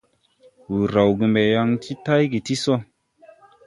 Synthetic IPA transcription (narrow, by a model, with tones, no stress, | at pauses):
wu˨ɾa˨wɡi˨mbe˨ja˧ŋtʰi˦ta˦jɡi˨ti˦so˦